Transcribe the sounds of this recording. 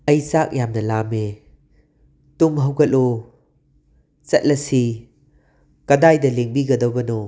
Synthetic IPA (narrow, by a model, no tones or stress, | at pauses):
ɐjsak̚jamnɐlame | tumɦɐwɡɐlo | t͡sɐt̚lɐsi | kɐdajdɐleŋbiɡɐdowbɐno